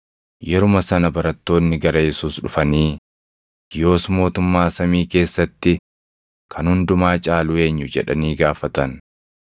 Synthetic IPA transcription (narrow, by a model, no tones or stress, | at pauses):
jɛɾʊmɐsɐnɐbɐɾɐt̪ːo̞ːnːɪɡɐɾɐjɛsuːsɗʊfɐniː | jo̞ːsmo̞ːt̪ʊmːaːsɐmiːke̞ːsːɐt̪ːɪ | kʰɐnhʊnd̪ʊmaːt͡ʃʼaːlʊe̞ːɲːʊd͡ʒɛ̰ᶑɐ̰niːɡaːfɐt̪ɐn